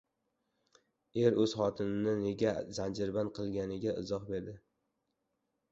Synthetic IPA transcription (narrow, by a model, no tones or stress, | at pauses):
e̞ɾɵz̥χɒt̪ʰɪnɪnɪne̞ɡʲazand͡ʒɪɾbanqʰɨlˠɡʲanɪɡʲaɪ̰zɒχbe̞ɾd̪ɪ